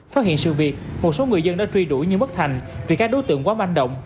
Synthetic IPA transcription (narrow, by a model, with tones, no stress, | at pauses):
faː˦˥t̚hḭ˧˨ənsɨ̰˧˨vi˨˩ət̚mo˨˩t̚so˨˦ŋɨ˨˩əjzə˧nɗa̰ː˧˥t͡ɕwi˧ɗu˧˩jɲɨ˧mə˦˥t̚t̪ʰa˨˩jŋ̟vi˨˩kaː˦˥k̚ɗo˨˦jt̪ɨ̰˧˨əŋkwaː˨˦va˧nɗə̰˧˨wŋ͡m